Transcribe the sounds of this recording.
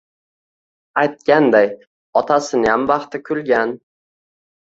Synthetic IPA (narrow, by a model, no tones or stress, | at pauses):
ajt̪̚kʲand̪aj | ɒt̪ʰasɪnɪjamvɑχt̪ɪkʲʰʊlɡʲan